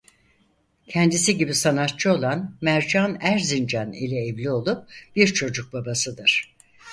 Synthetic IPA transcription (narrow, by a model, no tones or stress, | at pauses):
cʰɛnd̪isiɟibisanat̪̚t͡ʃʰɯo̞lˠanmæɾd͡ʒanæɾzind͡ʒanḭlʲɛːvlʲio̞lˠup̚b̥iɾt͡ʃʰo̞d͡ʒuk̚babasɯd̪ɯɾ̥